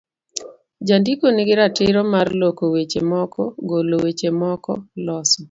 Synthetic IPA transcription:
d͡ʒandikoniɡɪɾatɪɾɔmarlokowet͡ʃemɔkʰɔ̰ɡolowet͡ʃemɔkɔlɔsɔ

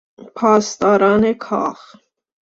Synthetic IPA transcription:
pʰɑst̪ɑɾɑnɛkʰɑ̰χ

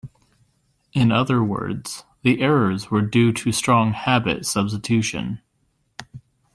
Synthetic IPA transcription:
ʔɨ̃nʌðə˞wɜ̰˞dz̥ðiʔɛɹə˞zwə˞dʉɾɨstɹ̥ɔ̃ŋhæbɨ̰tsʌb̥s̬tɨtʰʉʃɨ̰̃n

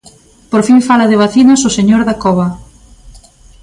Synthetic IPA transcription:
poɾfiŋfalaðɪβ̞aθinasʊseɲoɾðakɔβɐ

